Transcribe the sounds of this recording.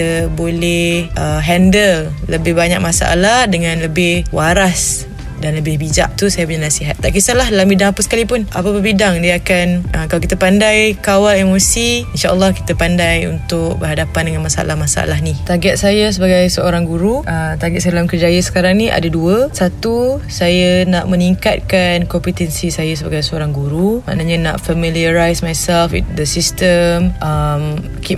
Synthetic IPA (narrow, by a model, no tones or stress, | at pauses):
əbolɛhhʔəɦɛndəl | ləbɪhbaɲak̚masa̰ʔa̰lahdəŋãnləbɪhwaɾas | danləbɪhbid͡ʒa̰ʔ̚t̪usajap̬uɲanasiɦat̪̚t̪ːaʔkisəlahdalambidaŋapəsə̥kalipʊnʔapapəbidaŋdiaakanʔəkalakit̪apandajkawalemosiinʃaʔə̰lːɔhki̥t̪əpandajṵnt̪ʊk̚bəɾɦadapandəŋanmasaa̰lahmasaa̰lahɦnit̪aɡɛt̪̚sajəs̬əbaɡajsəoɾaŋɡuɾuʔət̪aɡɛt̪̚sadalamkərd͡ʒajəsə̥kaɾaŋnĩʔa̰daduəsat̪usajənaʔmə̃niŋkat̪̚kankɔmpit̪ɛnsisajas̬əbaɡajsəoɾaŋɡuɾuma̰ʔnəɲənaʔfəmiliəɾajsmajsɛlfḭtd̪əsist̪əmʔəm | ki